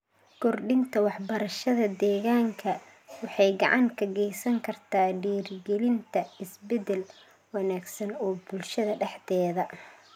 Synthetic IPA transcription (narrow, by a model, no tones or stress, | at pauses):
kʰɔrɖɪnt̪ʰɐwɑħbɐɾɐʃɐðɐd̪ɛːɣaːŋkʰɐ | wɑħɑjɡɑʕɑŋkʰɐɡɛjsɐŋkʰɐrt̪ʰaːɖiːrɡɛlɪnt̪ʰɐɪsbɛd̪ɛl | wɑnaːɡsɐnɔːbʊlʃɐðɐɖɛħt̪ʰɛːðɐ